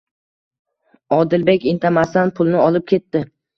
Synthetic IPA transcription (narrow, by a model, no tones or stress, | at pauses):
ɒd̪ɪlbe̞kʲɪnt̪ʰamast̪anpʰʊlˠnɪɒlɪp̚kʲʰe̞t̪ːɪ